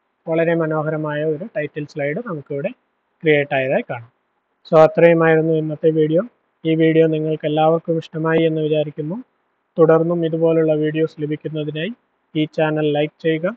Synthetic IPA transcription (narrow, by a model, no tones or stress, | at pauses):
ʋɐɭɐɾe̞mɐno̞ːɦɐɾɐmaːjɐo̞ɾuʈɐjtːɐlslɐjɽɨnɐmukːeʋiɽe̞ | krije̞ːʈːaːjɐðaːjikːaːɳam | soːɐt̪rɐjɐmaːjiɾunːuinːɐt̪ːe̞ʋiːɽijo | iːʋiːɽijoniŋːɐɭke̞lːaːʋɐrkumiʂʈɐmaːjie̞nːɨʋit͡ɕaːɾikʲːunːu | t̪uɽɐrnːumiðubo̞ːluɭːɐʋiːɽijo̞slibʱikʲːunːɐðinaːji | iːt͡ɕaːnɐlːɐjk̚t͡ɕe̞jːuɣam